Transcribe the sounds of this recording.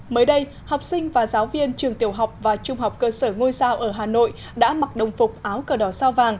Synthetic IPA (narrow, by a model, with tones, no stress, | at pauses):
məː˨˦jɗə˧j | hɔ˨˩wk͡p̚sï˧ŋ̟vaː˨˩zaː˨˦wvi˧ənt͡ɕɨ˨˩əŋt̪i˨˩əwɦa˨˩wk͡p̚vaː˨˩t͡ɕʊ˧ŋ͡mɦa˨˩wk͡p̚kəː˧səː˧˩ŋo˧jsaː˧wʔəː˧˩ɦaː˨˩no̰˧˨j | ɗa̰ː˧˥ma˨˩k̚ɗə˨˩wŋ͡mfʊ˨˩k͡p̚ʔaː˨˦wkəː˧˩ɗɔ˧˩saː˧wvaː˨˩ŋ